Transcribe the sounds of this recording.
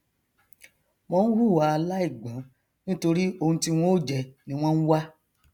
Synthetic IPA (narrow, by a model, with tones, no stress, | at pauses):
mɔ̃˦n̩˦ɾu˦˨wa˨˦a˧la˦i˦˨ɡ͡bɔ̃˨˦ | nĩ˦to˧ɾi˦o˧hũ˧ti˦w̃ɔ̃˦o˦d͡ʒɛ˧˨nĩ˧˦w̃ɔ̃˦n̩˦wa˦